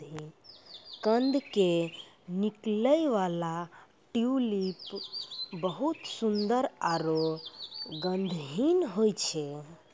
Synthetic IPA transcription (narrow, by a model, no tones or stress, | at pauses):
i | kənd̪ʱke | nikləjʋala | ʈiulip | bəɦut̪sund̪əɾaɾo | ɡə̃nd̪ʱɦinɦojt͡ʃʰe